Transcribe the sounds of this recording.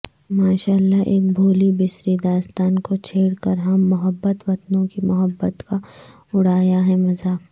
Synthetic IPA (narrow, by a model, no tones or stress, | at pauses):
maːʃaːlːaʔeːk̚bʱoːlibɪsɾid̪aːst̪aːnkot͡ʃʰeːɽkəɾɦɐmːʊɦəbːət̪ʋɐt̪nõkimʊɦəbːət̪ka | ʊɽaːjaɦɛmɐzaːk